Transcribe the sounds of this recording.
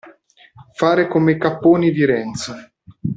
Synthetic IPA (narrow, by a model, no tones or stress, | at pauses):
faːɾekomekapːoːnid̪iɾɛnt̪so